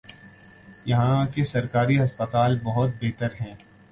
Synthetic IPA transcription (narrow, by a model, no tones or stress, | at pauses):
jɐɦãkesɐɾkaːɾiɐspət̪aːlbɐɦʊt̪̚beːt̪əɾɦɛ̃ː